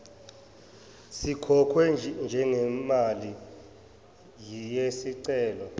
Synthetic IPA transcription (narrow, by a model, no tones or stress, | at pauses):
sikʰɔkʰwɛnd͡ʒʱɛŋɛmali | jijesiǀɛːlɔ